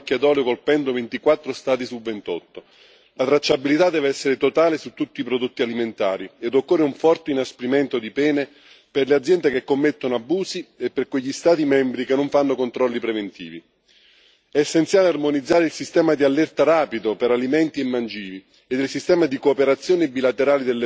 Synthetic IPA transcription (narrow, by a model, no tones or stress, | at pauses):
kːjad̪ɔːleokolpɛnd̪ovent̪ikwat̪ːɾost̪aːt̪isulvent̪ɔt̪ːo | lat̪ɾat͡ʃːabilit̪ad̪ːɛːvɛsːeɾet̪ot̪aːlesut̪ːut̪ːiːpɾod̪ot̪ːialiment̪a̰ːɾied̪okːorːeuɱfɔrt̪einaspɾimɛnt̪od̪ipɛːne | perlead̪zjɛnd̪ekekːomːet̪ːonoabuːsiepːerkweʎːist̪aːt̪̬imɛmbɾikenːoɱfanːokont̪ɾɔlːipɾevent̪ḭːvi | ɛːsːent̪sjaːlearmonid̪zːaːɾeilsist̪ɛːmad̪ialːɛrt̪aɾaːpid̪opeɾalimɛnt̪iemːand͡ʒiːvi | ed̪ilsist̪ɛːmad̪ikoːpeɾat̪sːjoːnebilat̪eɾaːlid̪elːe